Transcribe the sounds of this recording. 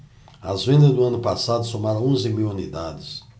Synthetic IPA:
ɐzvẽnd̪ɐzd̪ʊɐ̃nʊpasad̪ʊsomaɾɐ̃õzɪmiwunid̪ad̪ɪs

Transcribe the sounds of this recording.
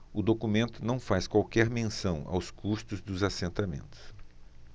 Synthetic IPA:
ʊd̪okumẽnt̪ʊnɐ̃w̃faskwawkɛɾmẽsɐ̃w̃a̰wskʰust̪ʊzd̪ʊzasẽnt̪amḛ̃nt̪ʊ̥s

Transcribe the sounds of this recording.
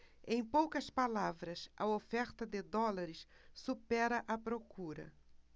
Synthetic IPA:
ẽj̃powkɐspalavɾɐsʔɐ̰ofɛɾt̪ɐd̪ɪd̪ɔlaɾɪssupɛɾɐʔɐpɾokuɾɐ̰

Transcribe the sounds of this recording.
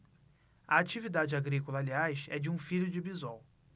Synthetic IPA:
ɐat͡ʃivid̪ad͡ʒɪaɡɾikolɐːliajsɛ̰d͡ʒɪũfiʎʊd͡ʒɪbizɔw

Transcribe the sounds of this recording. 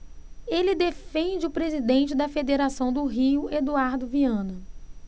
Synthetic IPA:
elɪd̪efẽnd͡ʒɪʊpɾezid̪ẽnt͡ʃɪd̪ɐfed̪eɾasɐ̃w̃d̪ʊɦiʊʔed̪uaɾd̪ʊviɐ̃nɐ

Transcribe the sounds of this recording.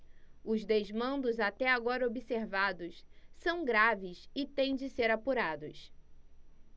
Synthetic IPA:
ʊzd̪ezmɐ̃nd̪ʊzat̪ɛaɡɔɾɐobiseɾvad̪ʊssɐ̃w̃ɡɾavɪsɪt̪ẽj̃d͡ʒɪseɾapuɾad̪ʊ̰s

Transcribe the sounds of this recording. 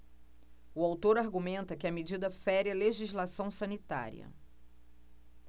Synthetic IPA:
uawt̪oɾaɾɡumẽnt̪ɐkɪɐmed͡ʒid̪ɐfɛɾɪɐleʒizlasɐ̃w̃sɐ̃nit̪a̰ɾiɐ̰

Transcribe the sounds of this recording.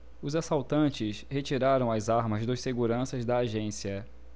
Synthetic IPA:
ʊzasawt̪ɐ̃t͡ʃɪshet͡ʃiɾaɾɐ̃w̃ɐzaɾmɐzd̪ɐʃseɡuɾɐ̃sɐzd̪ɐːʒẽsiɐ

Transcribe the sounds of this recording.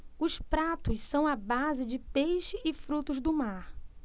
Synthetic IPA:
ʊspɾat̪ʊssɐ̃w̃ɐbazɪd͡ʒɪpejʃɪʔːfɾut̪ʊzd̪ʊmaɾ

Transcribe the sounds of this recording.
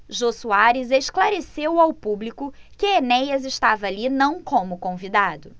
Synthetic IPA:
ʒosuaɾɪzeʃklaɾesewawpublikʊkɪenɛjɐzɪʃt̪avɐːlinɐ̃w̃kõmʊkõvid̪ad̪ʊ

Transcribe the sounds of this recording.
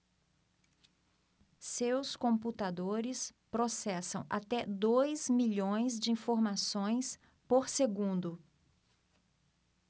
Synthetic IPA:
sewskõput̪ad̪oɾɪspɾosɛsɐ̰̃w̃ʔa̰t̪ɛd̪ojzmiʎõj̃zd͡ʒɪĩfoɾmasõj̃s | poɾseɡũnd̪ʊ

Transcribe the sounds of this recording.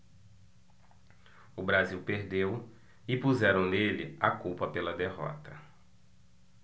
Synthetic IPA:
ʊbɾaziwpeɾd̪ew | ɪpuzɛɾɐ̃w̃nelɪ̰akuwpɐpelɐd̪eɦɔ̰t̪ɐ

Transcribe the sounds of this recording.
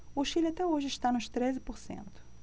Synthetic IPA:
oʃilat̪ɛoʒɪɪʃt̪anʊʃt̪ɾezɪpoɾsḛ̃nt̪ʊ̥

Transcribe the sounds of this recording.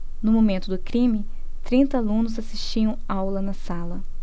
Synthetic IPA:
nʊmomẽnt̪ʊd̪ʊkɾĩmɪ | t̪ɾĩnt̪ɐalũnʊzasiʃt͡ʃiɐ̃w̃awlɐnɐsalɐ

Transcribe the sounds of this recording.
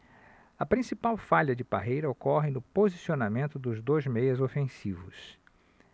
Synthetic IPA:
ɐpɾĩsipawfaʎɐd͡ʒɪba̰ɦejɾɐokɔɦɪnʊpozisionamẽnt̪ʊd̪ʊzd̪ojzmejɐzofẽsivʊ̰s

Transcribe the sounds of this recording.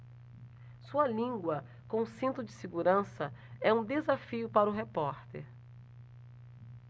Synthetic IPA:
suɐlĩŋɡwɐ | kõsĩnt̪ʊd͡ʒɪseɡuɾɐ̃sɐɛũd̪ezafiʊpaɾʊɦepɔɾt̪ḛɾ

